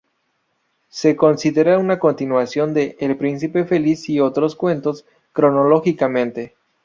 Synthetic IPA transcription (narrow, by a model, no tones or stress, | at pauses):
se̞ko̞nsiðeɾaunako̞nt̪inwasjo̞nd̪e̞ʔːlpɾinsipe̞fe̞lisio̞t̪ɾo̞skwe̞nt̪o̞s | kɾo̞no̞lo̞xikamẽ̞nt̪e̞